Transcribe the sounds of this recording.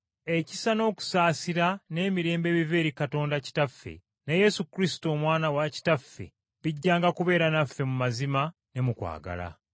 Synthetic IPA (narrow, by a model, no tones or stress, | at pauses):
e̞ci̥sano̞ːku̥saːsiɾane̞ːmiɾe̞ːmbe̞ːβive̞ːɾikato̞ːndaci̥tafːe̞̰ | neje̞sukɾisi̥to̞ːmwaːnawaci̥tafːe̞̰ | βiɟːaːŋɡakuβe̞ːɾanafːe̞mumazima | ne̞mukwa̰ːɡa̰la̰